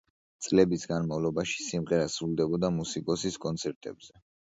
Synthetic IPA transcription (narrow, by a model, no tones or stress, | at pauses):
t̪sʼlɛbisɡanmavlˠɔbaʃi̥simʁɛɾasɾulˠd̪ɛbɔd̪amusikʼɔsiskʼɔnt̪sʰɛɾt̪ʼɛ̰bzɛ